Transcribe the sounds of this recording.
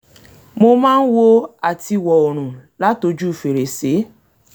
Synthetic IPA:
mo˦ma˦ŋ̩˦wo˦a˨ti˦wɔ˨o˨ɾ̃u˨la˦to˨d͡ʒu˦˨fe˨ɾe˨se˨˦

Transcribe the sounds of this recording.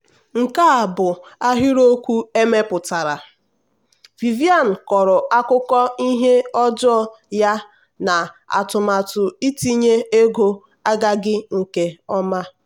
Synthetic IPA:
ŋ̩˨ka˦a˨bʊ˨a˦ɦɪ˦ɾo˦kʷu˦e˦me˦pʊ˨ta˨ɾa˨ | vi˨vi˦a˦˨n̩˨kɔ˨ɾʊ˨a˦kʊ˦kɔ˦i˦ɦe˦ɔ˦d͡ʒɔ˦ɔ˦ | ja˦ | na˨ | a̰˨tʊ˨ma˨tʊ˨i˦ti˦ɲe˦e˦ɡo˦ | a˦ɡa˦ɡɪ˦ŋ̩˨ke˦ɔ˦ma˦

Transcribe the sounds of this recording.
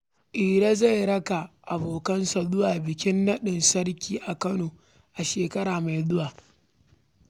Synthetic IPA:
ʔiː˨ɽa˦za˦˨jɽɐ˦ka˨ʔa˨boː˨kɐ˦nsa˨dʊ˦waː˨bɪ˨kʲɪ˦nːɐ˦ɗɪ˨nsɐ˦rkʲiː˦ʔa˨kɐ˦noː˨ | ʔa˨ʃeː˨kɐ˦ɽaː˨ma˨jdʊ˦waː˨

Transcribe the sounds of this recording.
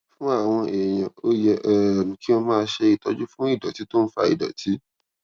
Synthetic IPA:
fũ˦a˦˨w̃ɔ̃˧e˨j̃ã˨o˦jɛ˧ʔɛ˨nũ˨ki˦w̃ɔ̃˧mãː˦˧˦ʃe˧i˨tɔ˦d͡ʒu˦fũ˦i˦˨dɔ˨ti˨˦to˦n̩˦fa̰˧ḭ˨dɔ̰˨tʰi˨˦

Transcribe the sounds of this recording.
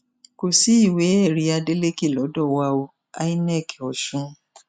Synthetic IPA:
ko˨si˨˦i˦˨we˨˦ɛ˦˨ɾi˧˦a˧de˦le˦ki˦˨lɔ˨˦dɔ˦˨wa˧o˧ | a̰˦i˦nɛ˦˨kɛ˨ɔ˨ʃũ˦

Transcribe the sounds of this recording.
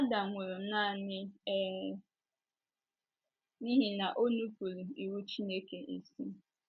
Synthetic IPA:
a˦da˨ŋʷʊ˨ɾo˨m̩˦na˦˨nɪ˦ | ni˦ɦi˨na˨ʔo˦nu˦pu˨ɾu˨i˨wu˦t͡ʃi˦ne˦ke˨ʔi˨si˦

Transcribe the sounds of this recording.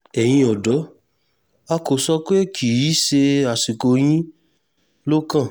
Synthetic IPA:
ɛ˨j̃ĩ˧ɔ˨dɔ˨˦ | a˧ko˨sɔ˦k͡pe˦kʰi˨i˨˦ʃe˧a˨si˨ko˧j̃ĩ˦ | lo˦kã˦˨

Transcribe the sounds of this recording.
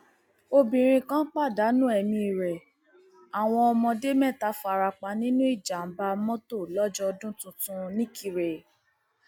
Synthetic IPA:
o˧bĩ˨ɾ̃ĩ˧kã˦k͡pa˦˨da˨˦nũ˦ɛ˨mĩ˧i˨ɾɛ˨ | a˨w̃ɔ̃˧ɔ˧mɔ̃˧de˦mɛ̃˦˨ta˨˦fa˨ɾa˧k͡pa˧˦nĩ˦nũ˦i˦˨d͡ʒa˨m̩˨˦ba˧˦mɔ̃˦to˦˨lɔ˦d͡ʒɔ˦ɔ˧dũ˦tũ˧tũ˧nĩ˦kʰi˧ɾe˨

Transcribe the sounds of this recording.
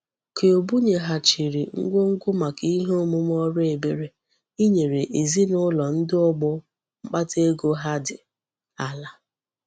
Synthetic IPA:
ke˨o˨bu˦ɲe˨ɦa˨t͡ʃi˨ɾi˨ŋ̩˦ɡʷo˦ŋ̩˦ɡʊ˦ma˨ki˦i˦ɦe˦o˦mu˦m˦ɔ˦ɾe˨be˦ɾe˨ | i˦ɲe˨ɾe˨ʔe˨zi˦nʊ˦lɔ˨n̩˦dɪ˦ʊ˦ɡ͡bʊ˦ | ŋ͡m̩˦k͡pa˦te˦ɡo˦ɦa˦dɪ˨ | a˨la˨

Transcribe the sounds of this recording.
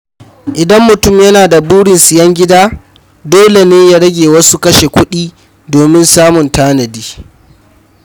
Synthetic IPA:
ʔɪ˨dɐ˦mːʊ˨tʊ˦˨mjɐ˦naː˨da˨buː˦ɽɪ˨nsɪ˨jɐ˦ŋɡʲɪ˦daː˦ | doː˦le˨neː˦ja˦ɽɐ˦ɡʲeː˨wɐ˦su˦kɐ˦ʃe˨kʷʊ˦ɗiː˦ | doː˨mɪ˦nsaː˦mʊ˨ntaː˦nɐ˨diː˦

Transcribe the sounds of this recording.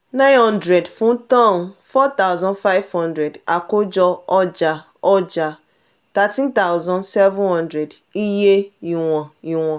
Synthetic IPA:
nã˦ɪ̃˦nɦɔ̃˦ndɾe˨dfũ˦tɔ̃˦˨n̩˨fɔ˦t̪a˦ʊ˦zɔ̃˦nfa˦ɪ˦vhɔ̃˦ndɾe˨da˨ko˦d͡ʒɔ˦ɔ˦d͡ʒa˨ | ɔ˦d͡ʒa˨ | ta˦tĩ˦nta˦ʊ˦zɔ̃˦nsɛ˦vʊ̃˦hɔ̃˦ndɾe˨di˦je˦i˨ŋʷɔ˨i˨ŋʷɔ˨

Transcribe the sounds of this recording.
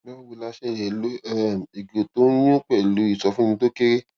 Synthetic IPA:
mɔ̃˦wu˧˨la˧˦ʃe˦˨jɛ˨lo˦ɛ˨i˨ɡo˨to˦j̃ũ˦k͡pɛ˦˨lu˨˦i˦˨sɔ˧fũ˦˧to˦ke˦ɾe˦

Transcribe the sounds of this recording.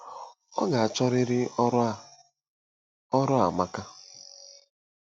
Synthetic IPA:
ɔ̰˦ɡa˨a˨t͡ʃɔ˦ɾɪ˦ɾɪ˦ | ɔ˦ɾɔ˦a˨ma˦ka˦

